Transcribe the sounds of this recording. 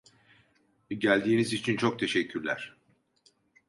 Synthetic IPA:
ɟælʲd̪iːnizit͡ʃʰint͡ʃʰo̞k̚t̪ʰe̞ʃɛcʰːyɾlʲæ̰ɾ̥

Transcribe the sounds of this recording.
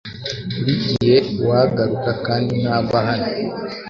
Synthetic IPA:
uɾiɟihewaɡaɾukakaːndinaːβaɦano

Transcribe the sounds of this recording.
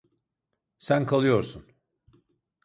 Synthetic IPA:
sænkʰalˠɯjo̞ɾsun

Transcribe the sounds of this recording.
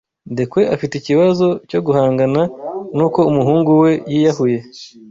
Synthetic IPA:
ndekwe̞ʔafiteiciβazo̞co̞ɡuɦaːŋɡananuːko̞umuɦuːŋɡuwe̞jiːjahuje̞

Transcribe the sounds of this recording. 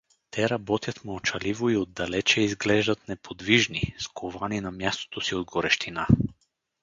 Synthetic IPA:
t̪ʰɛɾɐbɔt̪jɐt̪mɔɔt͡ʃɐlivoiod̪ːɐlɛt͡ʃɛizɡlɛʒd̪ɐt̪nɛpʰod̪viʒniskʰovaninamjast̪o̥t̪osiod̪ɡoɾɛʃt̪ʰina

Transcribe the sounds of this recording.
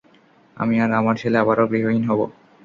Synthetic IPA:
a̰miaɾamaɾt͡ɕʰeleaβaɾoɡɾiɦoinɦɔbo̰

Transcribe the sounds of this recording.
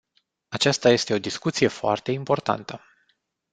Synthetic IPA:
at͡ʃast̪aje̞st̪e̞o̞d̪iskut̪sije̞foa̰rt̪e̞impo̞rt̪a̰nt̪ə

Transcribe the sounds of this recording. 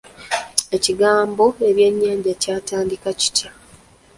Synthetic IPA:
e̞ciɡaːmbo̞e̞βje̞ɲːaːɲɟacaːtaːndikaci̥ca

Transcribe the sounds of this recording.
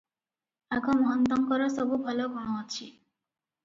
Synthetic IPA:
aɡɔmɔɦʌnt̪ɔŋkɔɾɔsɔbubʱɔlɔɡʱɔɽ̃ɔt͡ʃʰi

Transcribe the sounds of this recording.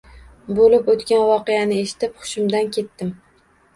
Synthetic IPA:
bolɪpot̪kʲanvɒqejanɪe̞ʃɪ̥t̪ɪpχʊ̥ʃɪmd̪ankʲʰe̞t̪ːɪm

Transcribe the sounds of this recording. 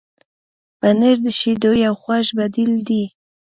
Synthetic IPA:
b̥aneɾd̪əʃed̪ojawxwaʃbad̪ild̪i

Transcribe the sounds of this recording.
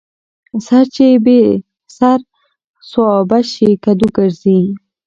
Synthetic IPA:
saɾt͡ʃebe | saɾ | swɑbaʃikad̪uɡəɾzi

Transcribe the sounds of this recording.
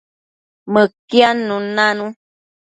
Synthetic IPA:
məkjanũnãnũ

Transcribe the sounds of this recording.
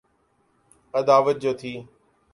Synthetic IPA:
əd̪aːʋət̪̚d͡ʑoːt̪ʰiː

